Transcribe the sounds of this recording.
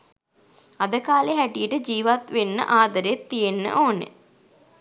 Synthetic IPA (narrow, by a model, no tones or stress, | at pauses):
ad̪əkaːleɦæʈijəʈəd͡ʒiːʋat̪ʋenːə̰ʔaːd̪əɾet̪ːijenːə̰ʔoːnḛ